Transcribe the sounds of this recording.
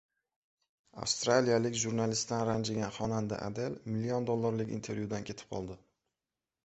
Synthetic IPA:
a̰fst̪ɾalijalɪkʲʒuɾnalɪst̪ːanɾand͡ʒɪɡʲanχɒnand̪a̰ʔa̰d̪elmɪlːiɒnd̪olˠːaɾlɪkʲḭnt̪ʰe̞ɾjud̪ankʲʰe̞t̪ʰɪ̥p̚qʰɒ̰lˠd̪ɪ

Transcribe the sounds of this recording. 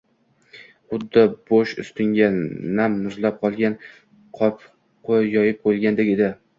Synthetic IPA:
χʊd̪ːɪboʃʊ̰st̪ɪŋɡʲanamːʊzlap̚qʰɒlˠɡʲan | qʰɒp | qʰojɒjɪp̚qolɡʲand̪ekʲe̞d̪ɪ

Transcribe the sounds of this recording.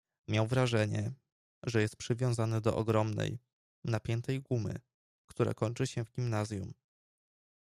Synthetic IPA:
mʲjawvɾaʐɛɲɛ | ʐɛjɛst̪̚pʂɘvʲjɔ̃w̃zanɘd̪ɔʔɔɡɾɔmnɛ̰j | napʲjɛnt̪ɛjɡumɘ̰ | kt̪uɾa̰kɔɲt͡ʂɘɕɛvɡʲimnazʲjum

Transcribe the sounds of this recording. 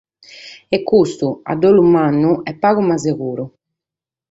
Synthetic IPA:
ɛkːust̪ua̰d̪oːlumanːuɛpːaːɣumazeɣuːɾu

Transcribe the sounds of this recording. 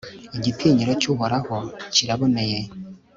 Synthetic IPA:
iɟitʰeːɲiɾacuɦoɾahociɾaβoneje

